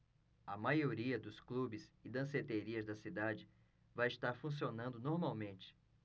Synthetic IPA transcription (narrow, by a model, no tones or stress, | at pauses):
ɐmajoɾiɐd̪ʊsklubɪzɪd̪ɐ̃set̪eɾiɐzd̪ɐsid̪ad͡ʒɪ | vajɪst̪aɾfũs̬ionɐ̃nd̪ʊnoɾmawmẽnt͡ʃɪ̥